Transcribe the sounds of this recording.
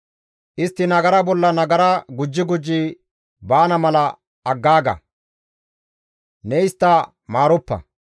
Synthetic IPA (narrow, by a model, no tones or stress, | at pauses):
ʔɪst̪ːɪnɐɡɐɾɐbɔlːɐnɐɡɐɾɐɡʊd͡ʒːɪɡʊd͡ʒːi | baːnɐmɐlɐː | ɡːaːɡɐ̰ | nɛɪst̪ːɐ | maːɾʊpːɐ̰